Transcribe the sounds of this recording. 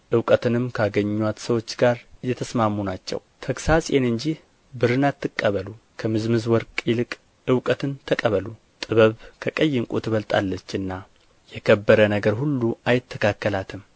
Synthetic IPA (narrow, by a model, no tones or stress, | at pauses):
ʔɨwkʼət̪ʰɨnɨmkʰəaɡəɲːwat̪səwo̞t͡ʃːɡaɾjɛt̪ʰəsmamːunat͡ʃːɛ̰wt̪ʰəksasʼenɨnd͡ʒih | bɨɾɨnat̪ʰːɨkʼːəβəlukʰəmɨzmɨzwɔɾkʼilɨkʼ | ɨwkʼət̪ʰɨnt̪ʰəkʼəβəlu | t̪ʼɨβəβkʰəkʼəjːɪŋkʼut̪ʰɨβəlt̪ʼa̰lːət͡ʃːɨnːa | jɛkʰəbːəɾənəɡəɾhulːuajɪt̪ʰːəkʰakːəlat̪ʰɨm